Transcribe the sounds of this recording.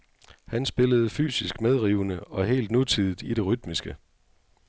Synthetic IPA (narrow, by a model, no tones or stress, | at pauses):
hænsb̥e̝ləð̞̩ˠfy̰ːsisɡ̥með̞ˠʁiːʊnəɒ̽ɦe̝̰ːld̥nut͡sʰið̰ˠid̥ˠiɾe̝ʁyd̥misɡ̥ə